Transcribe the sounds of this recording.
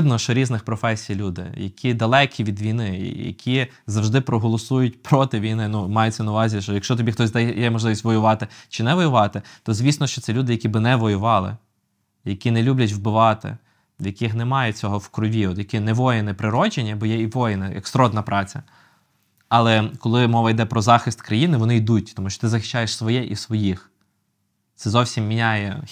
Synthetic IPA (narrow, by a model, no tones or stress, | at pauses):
d̪nɔʃt͡ʃɔɾʲiznɪxpɾɔfɛsʲijlʲud̪ɪ̰jɐkʲʰid̪ɐlˠɛkʲiʋʲid̪ʋʲijnɪ̰jɐ̰kʲʰi | zɐwʒd̪ɪpɾɔɦɔlˠɔsujʊt̚ʲpɾɔt̪ɪʋʲijnɪnumɑjʊt͡sʲːɐnɐʊʋɑzʲiʃt͡ʃɔjɐkʃt͡ʃɔt̪ɔbʲixt̪ɔsʲd̪ɛjɛmɔʒlɪʋisʲtʲʋɔjʊʋɑt̪ɪt͡ʃɪnɛʋɔjʊʋɑt̪ɪt̪ɔzʲʋʲisnɔʃt͡ʃɔt̪sɛlʲud̪ɪjɐkʲibɪnɛʋɔjʊʋɑlˠɪ̰ | jɐkʲinɛlʲublʲɐt̬ʲwbɪʋɑt̪ɪ̰ | jɐkɪxnɛmɑjɛt͡sʲɔɦɔwkɾɔʋʲiɔt̪jɐkinɛʋɔjɪnɪpɾɪɾɔd͡ʒenʲːɐbɔjɛiʋɔjɪnɪjɐ̰kst̪ɾɔd̪nɐpɾɑt͡sʲɐ̰ | ɐlˠɛkɔlˠɪmɔʋɐjd̪ɛpɾɔzɑxɪst̪kɾɐjinɪʋɔnɪjd̪utʲt̪ɔmuʃt͡ʃɔ̥t̪ɪzɐxɪ̥ʃt͡ʃːajeʃsʋɔjɛʔisʋɔjix | t̪ɛzɔwsʲimːʲinʲajɛ